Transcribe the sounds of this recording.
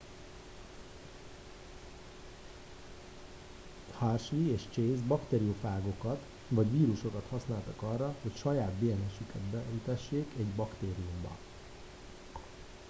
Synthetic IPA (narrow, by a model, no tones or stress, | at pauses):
harʃʋieːʃt͡ʃeːzbɒkt̪eːɾiofaːɡo̞kɒt̪ | vɒɟʋiːɾuʃo̞kɒt̪hɒsnaːlt̪ɒkɒrːɒho̞cʃɒjaːd̪beːɛnɛʃykɛd̪bɛit̪ɛʃːeːkɛɟbɒkt̪eːɾijumbɒ̰